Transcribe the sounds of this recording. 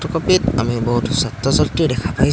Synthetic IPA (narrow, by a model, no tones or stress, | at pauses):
tɔkɔpita̰mibɔɦutsat̪ɹɔzatɹidɛkʰapaj